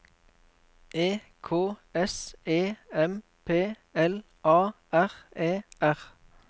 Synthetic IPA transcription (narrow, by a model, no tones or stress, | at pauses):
ʔeː | kʰoːɛseːɛm | pʰeː | ɛl | ʔɑː | æʁeːæʁ